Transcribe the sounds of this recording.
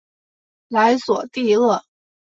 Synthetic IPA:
la˧˥ɪswɔ˨˩t̪i˥˧lɤ˥˩

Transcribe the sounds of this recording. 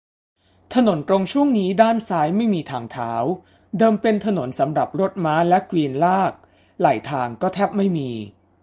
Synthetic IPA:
t̪ʰa˧no˩˦nt̪ɾo˧ŋt͡ɕʰu˥˩əŋniː˦˥daː˥˩nsaː˦˥jma˥˩jmiː˧t̪ʰaː˧ŋt̪ʰaː˩˦w | dɤː˧mpe˧nt̪ʰa˧no˩˦nsa˩˦mɾa˨˩p̚ɾo˦˥t̪̚maː˦˥lɛ˦˥kwiː˧nlaː˥˩k̚ | la̰ː˩˦jt̪ʰaː˧ŋkɔː˥˩t̪ʰɛː˥˩p̚ma˥˩jmiː˧

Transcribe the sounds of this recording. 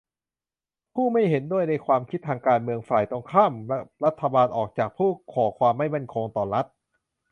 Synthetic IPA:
pʰuː˥˩ma˥˩jɦe˩˦ndu˥˩əjna˧jkʰwaː˧mkʰi˦˥t̪ʰːaː˧ŋkaː˧nmɯ˧əŋfaː˨˩jt̪o˧ŋkʰaː˥˩mɾa˦˥t̪ʰːa˧baː˧nʔɔː˨˩k̚t͡ɕaː˨˩k̚pʰuː˥˩kʰɔː˩˦kʰwaː˧mːa˥˩jma˥˩nkʰo˧ŋt̪ɔː˨˩ɾa˦˥t̪̚

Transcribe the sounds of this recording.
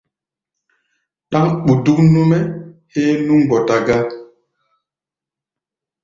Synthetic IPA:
ɗa˦ŋɓu˨du˦knu˦mɛ˦he˦nu˦ŋɡɔ˨ta˨ɡa˦

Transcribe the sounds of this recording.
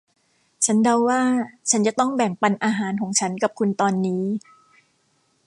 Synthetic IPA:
t͡ɕʰa˦˥nda˧wːaː˥˩t͡ɕʰa˦˥nt͡ɕa˨˩t̪ɔ˥˩ŋbɛ˨˩ŋpa˧nʔaː˧ɦaː˩˦nkʰɔː˩˦ŋt͡ɕʰa˦˥nka˨˩p̚kʰu˧nt̪ɔː˧nːiː˦˥

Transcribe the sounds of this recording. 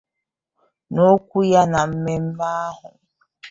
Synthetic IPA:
no˦kʷu˦ja˦na˨m̩˦me˦m̩˦ma˦a˦ɦʊ̰˨

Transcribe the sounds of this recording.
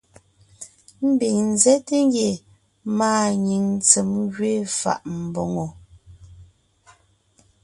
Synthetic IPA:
m̩˦bi˨ŋn̩˨zɛ˦te˦ŋ˦ɡje˨ | maː˦˨ɲi˨ŋt͡se˨mɡɥe˦fa̰˨ʔm̩˨bo˨ŋo˨

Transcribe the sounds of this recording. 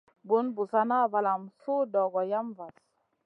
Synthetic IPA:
bu˨˦nbu˨sa˦na˦˨va˨la˨msu˦dɔ˨ɡɔ˨ja˦mva˨s

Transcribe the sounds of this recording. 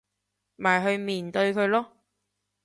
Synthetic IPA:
maː˨jɦɵ˧ɥmiː˨˩nt̪ɵ˧ɥkʰɵ˧ɥlɔː˥

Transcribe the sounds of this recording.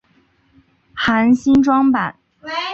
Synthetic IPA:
xa˧˥nɕi˥nʈ͡ʂwɑ˥ŋpa˨˩˦n

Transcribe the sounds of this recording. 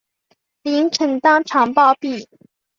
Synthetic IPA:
li˧˥ŋʈ͡ʂʰə˧˥ŋt̪ɑ˥ŋʈ͡ʂʰɑ˧˥ŋpɑ˥˧ʊpi˥˩

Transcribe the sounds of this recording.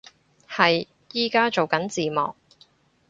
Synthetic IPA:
hɐ˨j | jiː˨kaː˥t͡ʃo˨wkɐ˨˥nt͡siː˨mɔ̰ː˨˩k̚

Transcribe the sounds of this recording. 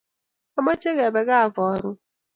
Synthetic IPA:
a˦ma˦t͡ʃe˦ɣɛ˨bɛ˨ɣa˦a˨vɔ˨ɾʊ˦

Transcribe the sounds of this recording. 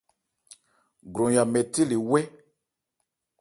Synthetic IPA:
ɡɾõ˨ja˨mɛ˨ti˦li˨wɛ˦

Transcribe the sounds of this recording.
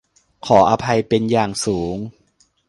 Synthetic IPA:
kʰɔː˩˦ʔaː˧pʰa˧jpe˧njaː˨˩ŋsuː˩˦ŋ

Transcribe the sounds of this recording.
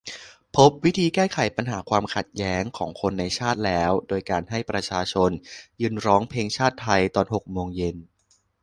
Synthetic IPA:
pʰo˦˥p̚wi˦˥t̪ʰiː˧kɛː˥˩kʰa˨˩˦jpa˧nɦaː˩˦kʰwaː˧mkʰa˨˩t̪̚jɛː˦˥ŋkʰɔː˩˦ŋkʰo˧nːa˧jt͡ɕʰaː˥˩t̪̚lɛː˦˥wdoː˧jkaː˧nɦa˥˩jpɾa˧t͡ɕʰaː˧t͡ɕʰo˧njɯː˧nɾɔː˦˥ŋpʰeː˧ŋt͡ɕʰaː˥˩t̪ʰːa˧jt̪ɔː˧nɦo˨˩k̚moː˧ŋje˧n

